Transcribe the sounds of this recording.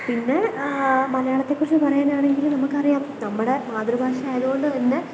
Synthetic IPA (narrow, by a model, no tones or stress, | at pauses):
pinːe | mɐlɐjaːɭɐt̪ːe̞kːurit͡ɕːɨpɐrɐjaːnaːɳe̞ŋɡilunɐmːukːɐrijaːmnɐmːɨɽe̞maːd̪rɐbʱaːʂɐaːjɐðuɣoɳɖɨenːɨ